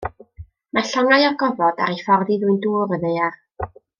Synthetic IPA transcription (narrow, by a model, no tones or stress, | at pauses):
maɬɔŋajɔɡɔvɔda̰ɾefɔrðiðwɨnduːɾəðejar